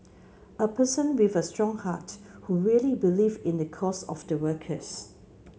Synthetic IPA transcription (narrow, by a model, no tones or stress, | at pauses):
əpʰəsə̃nwivəstɹɔ̃ŋhathuɹiəlibilivɪ̃ndəkʰɔsɔ̰fdəwəkʰəs